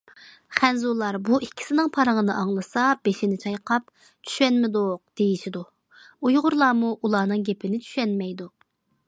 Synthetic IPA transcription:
χɛnzulˠɑɾbuʔikʲʰːi̥sɪnɪŋpʰɑɾəŋənɨʔɑŋlˠɨsɑb̥eʃɪnɪt͡ʃʰɑjqʰɑp̚ | t͡ʃʰy̥ʃɛnmɪd̪oq̚d̪̥ejiʃid̪u | ujʁʊɾlˠɑːmuʔulˠɑːnɨŋɡʲepʰɪnɪt͡ʃʰy̥ʃɛnmɛjd̪u

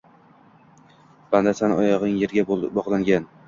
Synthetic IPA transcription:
b̥and̪asanɒjɒʁɪŋjeɾɡʲabɒʁlˠaŋɡʲan

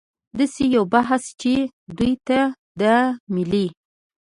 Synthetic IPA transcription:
d̪asejawbaɦst͡ʃe | d̪ujt̪ad̪əmɪli

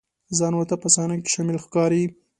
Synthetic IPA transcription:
zɑnwat̪apasɑnake̥ʃɑmɪlxkɑɾi

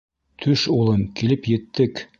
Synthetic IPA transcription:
t̪ʰɵʃulˠɤmkilɘpjɘ̆t̪ːɘk

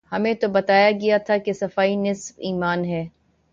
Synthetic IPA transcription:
hɐmẽt̪obɐt̪aːjaɡɐjat̪ʰakesɐfaːinɪsbiːmaːnɦɛː

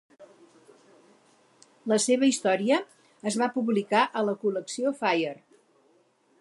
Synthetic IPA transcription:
ləseβəist̪ɔɾiəː | zβapuβlikaʔələkuləksiofajər

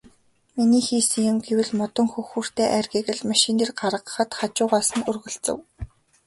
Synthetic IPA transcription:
miniːxiːsɘ̆ŋjʊ̆mɡewɘ̆ɮmɔt̪ɞ̆ŋxɵxuːr̥t̪ʰeːʔærɡeɣɘ̆ɮmaʃɪniːrɢaɾə̆qəχə̆t̪χat͡ɕʊːʁaːsə̆nɵrɣɵ̆ɮt͡sɘ̰̆w

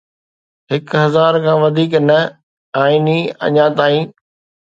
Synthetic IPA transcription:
ɦɪkɦɐzaːɾkʰãːʋɐd̪ʱiːknɐ | aːiniɐ̰ɲãːt̪aːĩː

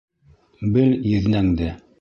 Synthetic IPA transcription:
bɘljɘ̆ðnæŋd̪ɘ

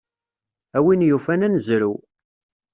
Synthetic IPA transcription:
æwinjufænænzɾu

